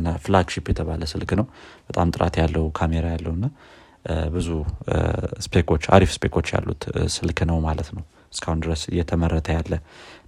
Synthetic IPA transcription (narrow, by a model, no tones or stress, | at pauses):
nːafɨlaɡʃipjɛt̪ʰəβaləsɨlknəwb̥ət̪ʼamt̪ʼɨɾa̰t̪jalːəwkʰameɾajalːəhnːa | bɨzu | spekʰo̞t͡ʃːa̰ɾifspekʰo̞t͡ʃːja̰lːṵt̪sɨlkʰnəwmalət̪nəw | ɨskʰahund̪ɨɾəsɨ̰jːɛt̪ʰəmərːət̪ʰəjalːə